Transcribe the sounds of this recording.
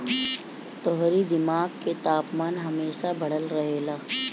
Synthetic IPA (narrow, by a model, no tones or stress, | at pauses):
t̪ɔɦɾid̪ɪmaːɡket̪aːpmaːnɦɐmeːʃabʱɐɽ̤əlɾɐɦeːlaː